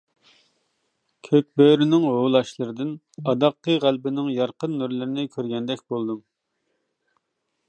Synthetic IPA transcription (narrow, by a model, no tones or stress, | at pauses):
kʲʰøk̚ʲbøɾɪnɪŋɦolˠɑʃlˠəɾɨd̪ɪn | ɑd̪ɑqːəʁælbɪnɪŋjɑɾqənːuɾlɪɾɪnɪkʲʰøɾɡʲɛnd̪ɛkʲbolˠd̪ɨm